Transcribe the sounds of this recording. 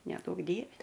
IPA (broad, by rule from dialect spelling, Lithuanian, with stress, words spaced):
nʲɛˈduɔk ˈdʲiɛʋʲɛ